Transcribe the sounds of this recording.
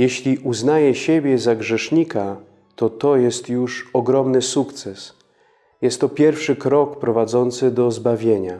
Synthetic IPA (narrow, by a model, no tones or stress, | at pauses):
jeɕlʲiʔuznajɛɕebʲjɛzaɡʐɛʂɲikʰa | t̪ɔt̪ɔjɛst̪juʂɔɡɾɔmnɘsukt̪sɛs | jɛst̪ːɔpʲjɛɾfʂɘkɾɔkpɾɔvad̪zɔnt̪sɘd̪ɔzbavʲjeɲa